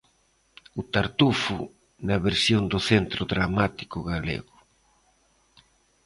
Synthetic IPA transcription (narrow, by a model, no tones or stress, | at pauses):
ʊt̪aɾt̪ufu | nɐβeɾsjond̪ʊθent̪ɾʊðɾamat̪i̥kʊɣalḛɣʊ